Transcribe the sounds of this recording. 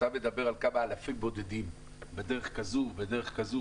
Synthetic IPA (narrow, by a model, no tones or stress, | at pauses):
amed̪abeʁalkamaːlafimbod̪ed̪im | bed̪eʁeχkazubed̪eʁeχkazu